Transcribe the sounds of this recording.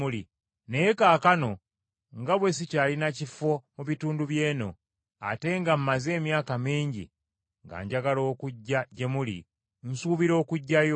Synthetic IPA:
uli | ne̞jekaːkano̞ | ŋɡaβwe̞sicaːlinacifo̞muβituːnduβje̞ːno̞̰ | a̰te̞ŋɡam̩ːaze̞ːmjaːkamiːɲɟḭ | ŋɡa̰ːɲɟaɡalo̞ːkuɟːaɟe̞mulḭ | n̩suːβiɾo̞ːkuɟːajo

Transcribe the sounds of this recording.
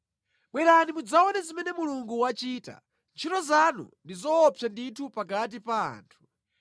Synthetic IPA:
ɓwɛɾanimud͡zaɔnɛzimɛnɛmuluŋɡuwat͡ʃiːta̰ | nt͡ʃʰitɔzanṵndizɔːpʰjanditʰupaɡat̬ipa̰ːntʰu̥

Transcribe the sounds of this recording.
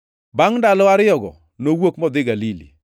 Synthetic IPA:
baŋndalɔaɾɪɔɡɔ̰ | nowokmɔd̪ɪɡalilḭ

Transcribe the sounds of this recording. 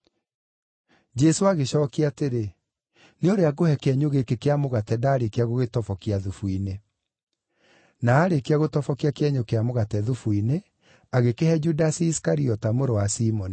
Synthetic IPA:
d͡ʒɛsoaɣeɕɔːkiateɾe | neodoaɡohɛkeɛɲoɣekekeamoɣatɛdaːɾekeaɣoɣetɔfɔkiaðufuine | naːɾekeaɣotɔfɔkiakeɛɲokeamoɣatɛðufuine | aɣekehɛd͡ʒudasiːskaɾiɔtamoɾowasimɔni

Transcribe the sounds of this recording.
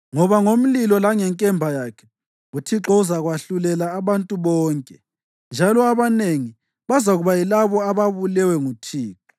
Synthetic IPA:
ŋɔβaŋom̩lilɔlaŋɛŋkʼɛmbʱajakʰɛ̥ | ɣutʰiǁɔuzaɣwaɬulɛlaːβantʼuβɔːŋkʼɛ | nd͡ʒʱalɔaβaneŋi | βazaɣuβajilaβɔaβaβulɛwɛŋutʰiːǁɔ̥

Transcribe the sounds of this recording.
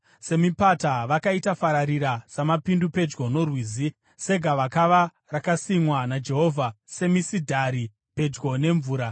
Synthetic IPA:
se̞mipataʋakaitafaɾaɾiɾasamapindupe̞d͡ʒɡo̞no̞rwiːzi | se̞ɡʱaʋakaʋa | rakasimwanad͡ʒe̞ɦo̞ːvʱase̞misidʱaɾi | pe̞d͡ʒɡo̞ne̞ɱvuːɾa

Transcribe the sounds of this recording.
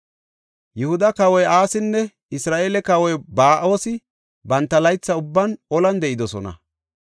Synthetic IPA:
jʊhʊd̪ɐkɐwɔjaːsɪnːɛ | ɪsɾaːʔeːlɛkɐwɔjbaːʔo̞ːsɪ | bɐnt̪ːɐlɐjt͡sːɐʊbːɐnʔɔlɐnd̪ɛʔɪd̪ɔsɔnɐ̰

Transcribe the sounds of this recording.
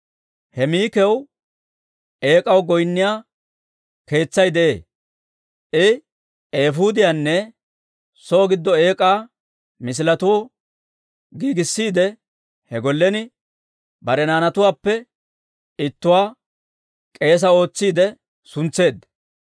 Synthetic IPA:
hɛmiːkɛw | e̞ːkʼɐwɡɔjnːɪjaː | ke̞ːt͡sːɐjd̪ɛʔe̞̰ː | ʔɪ | eːfuːd̪ɪjaːnːɛ | soːɡɪd̪ːɔe̞ːkʼaː | mɪs̬ɪlɐt̪ʊɔ | ɡiːɡɪsːiːd̪ɛ | hɛɡɔlːɛnɪ | bɐɾɛnaːnɐt̪ʊwaːpːɛ | ɪt̪ːʊwaː | kʼe̞ːs̬ɐo̞ːt͡sːiːd̪ɛ | sʊnt͡sːe̞ːd̪ɐ

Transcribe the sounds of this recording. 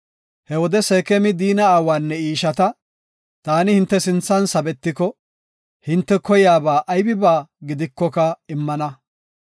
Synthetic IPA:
hɛwɔd̪ɛseːkɛmɪd̪iːnɐːwaːnːɛiːʃɐt̪ɐ | t̪aːnɪhɪnt̪ːɛsɪnt͡sːɐnsɐbɛt̪ːɪkɔ | hɪnt̪ːɛkɔjaːbaːʔɐjbɪbaːɡɪd̪ɪkːɔkɐɪmːɐnɐ

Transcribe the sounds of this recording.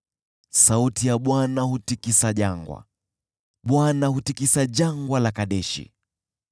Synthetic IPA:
sautijaɓwanahutikisaʄaŋɡwa̰ | ɓwanahutikisaʄaŋɡwalakaɗɛʃḭ

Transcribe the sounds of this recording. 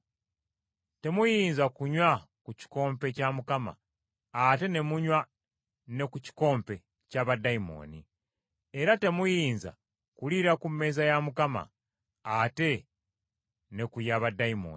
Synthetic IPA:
te̞mujiːnzakuɲwa | kuci̥ko̞ːmpe̞camukama̰ː | te̞ne̞muɲwa | ne̞kuci̥ko̞ːmpe̞ | caβadaimo̞̰ːni | eɾate̞mujiːnza̰ | kuliɾakumːe̞ːzajamukama̰ | ate̞ | ne̞kujaβadaimo̰n

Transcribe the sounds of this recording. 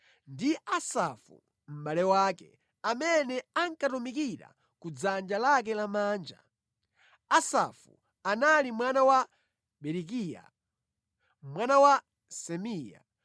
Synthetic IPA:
ndiasafṵ | m̩ɓalɛwaːkɛ | amɛnɛaŋkatumikiɾa̰ | kud͡zand͡ʒalak̬ɛlamaːnd͡ʒa̰ | asa̰fṵ | analimwanawa | ɓɛɾik̬ija̰ | mwanawa | sɛmija̰

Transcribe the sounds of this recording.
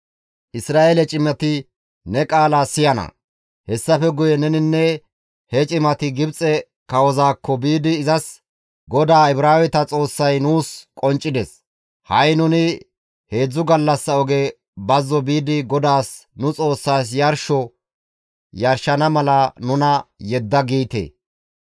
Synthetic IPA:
ʔɪsɾaːʔelɛt͡ʃʼɪmɛt̪ɪ | nɛkʼaːlaːsɪjɐnɐ̰ | hɛsːɐfɛɡʊjɛnɛnɪnːɛ | hɛt͡ʃʼɪmɐt̪ɪɡɪbt͡sʼɛ | kɐwɔzaːkʰːɔbiːd̪ɪːzɐs | ɡɔd̪aːɪbɾaːwɛt̪ɐt͡sʼo̞ːsːɐjnuːskʼɔnt͡ʃʼːɪd̪ɛs | hɐjnʊnɪ | he̞ːd͡zːʊɡɐlːɐsːɐɔɡe | bɐzːɔbiːd̪ɪɡɔd̪aːsnʊt͡sʼo̞ːsːaːs̬jɐɾʃɔ | jɐɾʃɐnɐmɐlɐnʊnɐjɛd̪ːɐɡiːt̪ḛː

